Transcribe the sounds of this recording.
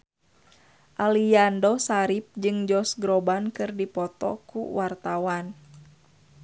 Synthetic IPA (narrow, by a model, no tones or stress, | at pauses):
ʔaliandɔsaɾip̚d͡ʒɨŋd͡ʒɔsɡɾɔbankɨrdipɔt̪ɔ̰kṵwart̪awan